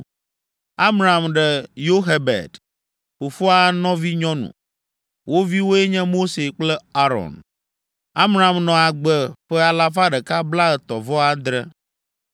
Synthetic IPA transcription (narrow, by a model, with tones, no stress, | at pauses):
a˦mɾa˨mɖɛ˨jo˦ɦɛ˦bɛ̰˨d̪ | ɸo˨fo˦a˦nɔ̃˦vi˦ɲɔ̃˦nṵ̃˨ | wʔo˦vi˦wo˦e˦ɲɛ̃˦mo˦se˨k͡plɛ˦a˦ɾɔ̰˨n | a˦mɾa˨mnɔ̃˨a˨ɡ͡bɛ˨ɸɛ˦a˨la˦fa˦ɖɛ˨ka˦bla˦ɛ˨t̪ɔ˨vɔ˦a˦d̪ɾɛ˦